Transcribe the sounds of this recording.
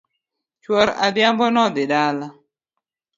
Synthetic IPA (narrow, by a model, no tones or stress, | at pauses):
t͡ʃwɔɾadjambɔnɔd̪ɪdala